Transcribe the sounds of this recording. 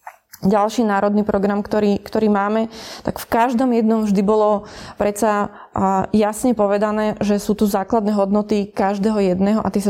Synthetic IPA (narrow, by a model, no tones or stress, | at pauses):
ɟalʃiːnaːɾɔd̪niːpɾɔɡɾamkt̪ɔɾiːkt̪ɔɾiːmaːmɛt̪akfkaʒd̪ɔmjɛd̪nɔmvʒd̪ibɔlɔpɾɛsa | jasɲɛpɔʋɛd̪anɛːʒɛsuːt̪uzaːklad̪nɛːɦɔd̪nɔt̪ikaʒd̪ɛːɦɔjɛd̪nɛːɦɔʔa̰t̪jɛs